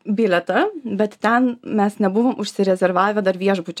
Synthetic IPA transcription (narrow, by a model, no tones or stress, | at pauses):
bʲiːlʲɛt̪ɐbʲɛt̪t̪ʲɛnmʲɛsnʲɛbʊʋoːmʔʊʃʲsʲɪɾʲɛzʲɛɾʋɑːʋʲɛd̪ɐɾʋʲiɛʒbʊt͡ʃʲ